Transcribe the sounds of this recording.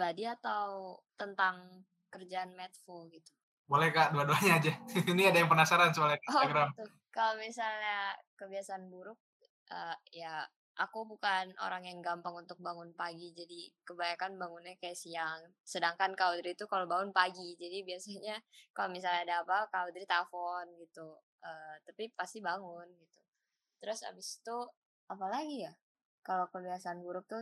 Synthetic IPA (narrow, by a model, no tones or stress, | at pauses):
badiat̪awt̪ənt̪aŋ | kərd͡ʒaːnmɛt̪̚folɡit̪u̥ | bolɛhkaʔduaduaɲaːd͡ʒainiadajaŋpənasaɾansəbalaninaɡɾamt̪ | kalomisalɲakəbiasaːnbuɾʊk̚ | ʔəja | ʔakubukano̰ɾaŋjaŋɡampaŋunt̪ʊk̚baŋʊnpaɡid͡ʒadikəbajakanbaŋʊnɲakajaʔsiaŋ | sədaŋkankaudɾit̪ukalobaŋʊnpaɡid͡ʒadibiasaɲakalomisalɲaːdaːpakaud̪ɾit̪afɔnɡit̪u | ət̪apipast̪ibaŋʊnɡit̪u | t̪əɾʊsa̰bist̪u | apalaɡija | kalokəbiasanbuɾʊk̚t̪u